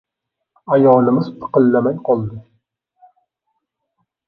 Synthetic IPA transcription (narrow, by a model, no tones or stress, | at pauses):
ajɒlˠɪmɪzt̪ʰɨ̥qɨlːamajqʰɒlˠd̪ɪ